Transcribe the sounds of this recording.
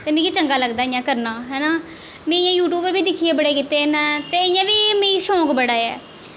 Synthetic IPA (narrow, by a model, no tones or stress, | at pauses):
t̪eːmẽːkiːt͡ʃəŋɡaːləɡd̪aːɪjãːkəɾnaːɦɛːnaː | mẽːɪjãːjuːʈuːbəɾʋiːd̪ɪkʰːiːeːbəɽeːkɪt̪eːnɛ̃ːt̪eːɪjãːʋiːmẽːiʃɔ̃ːkbəɽaːɛ̰ː